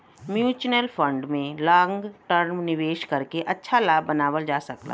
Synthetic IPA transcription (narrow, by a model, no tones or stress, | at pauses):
mjuːt͡ʃnəlfʰə̃ɳɖmẽlãːŋɡʈəɾmnɪʋeːʃkɐɾkeʔɐtːʃʰalaːbːɐnaːʋəld͡ʒaːsɐkla̰ː